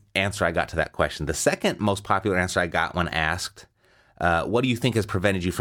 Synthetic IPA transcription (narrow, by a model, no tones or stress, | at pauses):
æ̃nsə˞aɪɡɑ̰tʰɨðɨ̰t̚kʰw̥ɛ̰st͡ʃn̩ðɨsɛkɨ̃nmoʊspʰɑpjl̩ˠə˞æ̃nsə˞aɪɡɑ̰ʔwʌ̃næsk̚t̚ | ʔwʌt̚d̥ɨjɨθɪ̃ŋkɨz̥pʰɹ̥ɨvɛ̃ɾ̃ɨd͡ʒɨfɹ̃